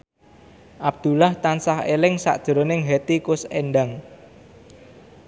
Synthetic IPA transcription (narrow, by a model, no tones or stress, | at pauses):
ʔab̚d̪̥ṳlaht̪ansaɦelɪŋsa̰ʔd̥ʒ̥ɾonɪŋɦet̪ikʊsenɖaŋ